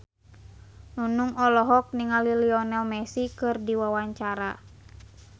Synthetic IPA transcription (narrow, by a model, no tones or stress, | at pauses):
nunuŋɔlɔɦɔk̚niŋaliliɔnɛlmɛsikɨrdiwawaɲt͡ʃaɾa